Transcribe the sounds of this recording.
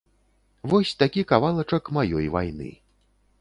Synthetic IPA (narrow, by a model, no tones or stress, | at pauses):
vɔsʲt̪akʲikavalˠɐt͡ʂɐkmajɔ̰jva̰jnɨ̰